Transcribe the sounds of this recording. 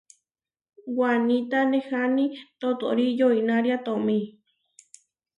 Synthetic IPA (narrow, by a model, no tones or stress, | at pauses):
wanĩt̪anehanĩt̪ot̪o̰ɾijoinaɾjat̪omĩ